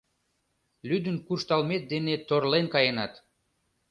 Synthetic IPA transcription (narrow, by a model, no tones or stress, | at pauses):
lyd̪ənkuʃt̪ɑlmet̪̚d̪enet̪orlenkɑjenɑt̪